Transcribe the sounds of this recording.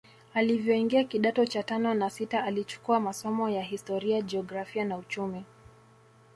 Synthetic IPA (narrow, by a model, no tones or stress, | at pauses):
alivjɔiŋɡiakiɗatɔt͡ʃatanɔnasitaːlit͡ʃu̥kuamasɔmɔjaɦistɔɾiad͡ʒɛɔɡɾafianaut͡ʃumi